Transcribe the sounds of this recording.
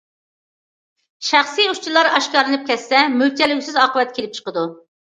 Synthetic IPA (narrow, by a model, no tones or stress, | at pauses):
ʃæχsijut͡ʃʰilˠɑɾɑʃkɑɾlɨnɨp̚kʲɛsːɛmylt͡ʃ̪ʰɛlyɡʲsɪzɑːqəvɛt̪̚kʲʰelɪp̚t͡ʃʰə̥qəd̪u